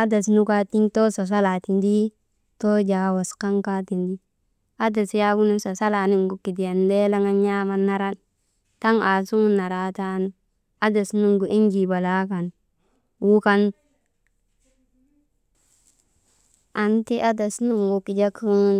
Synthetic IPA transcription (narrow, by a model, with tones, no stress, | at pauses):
a˦da˨s̬nu˦ka˦ti˦ŋto˦sa˨s̬a˦la˨ti˨ndi˦ | to˦d͡ʒa˨wa˨ska˦ŋka˦ti˨ndi˦ | a˦da˨sja˦ɡu˦nu˦sa˨sa˦la˨ni˦ŋɡu˨ki˨di˨ja˨nde˦la˦ŋa˦nja˦ma˦nːa˨ɾa˦n | ta˦ŋa˨su˦ŋu˦nːa˨ɾa˨ta˦nu˦ | a˦da˨snu˦ŋɡu˨ʔi˦nd͡ʒi˨ba˨la˦ka˨n | wu˦ka˦n | a˨nti˦ʔa˦da˨snu˦ŋɡu˨ki˨d͡ʒa˦ku˦